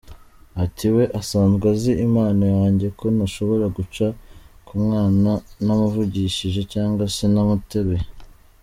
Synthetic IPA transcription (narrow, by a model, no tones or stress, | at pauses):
atiwe̞ʔasaːnzɡaziʔimaːnajaːɲɟe̞ko̞naʃo̞βo̞ɾaɡut͡ʃakumŋaːnanamuvuɟiʃiʒe̞caːŋɡwasenamuteβe